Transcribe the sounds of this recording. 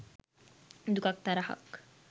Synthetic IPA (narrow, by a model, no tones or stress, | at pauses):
d̪ukak̚t̪aɾaɦɐ̰k